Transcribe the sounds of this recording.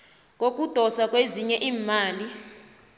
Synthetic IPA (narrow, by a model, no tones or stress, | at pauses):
k̬ʼok̬ʼud̥ʱɔsak̬ʼweziɲɛʔiːmaːli